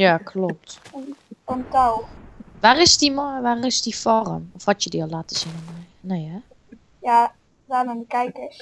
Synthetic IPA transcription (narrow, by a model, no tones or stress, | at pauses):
jakʰlɔp̚t | ɔntawʋarɪsdimɔʋarɪsdifɔrə̰mɔfhɔtjədiɔlatəsinəmɔj | nɛja | ja | dananikɛjkə